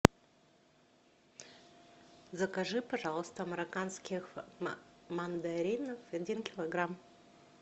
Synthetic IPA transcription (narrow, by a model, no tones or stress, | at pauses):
zəkɐʐɨpɐʐɑlˠəst̪əɐmʲɪɾɐkanskʲɪx | mɐnd̪ɐɾʲinəfɐdʲinkʲɪlˠɐɡɾam